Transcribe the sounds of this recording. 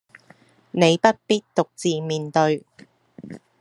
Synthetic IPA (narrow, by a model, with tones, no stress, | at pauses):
ne˨˧jpɐ˥t̚piː˥t̚t̪ʊ˨k̚t͡siː˨miː˨nt̪ɵ˧ɥ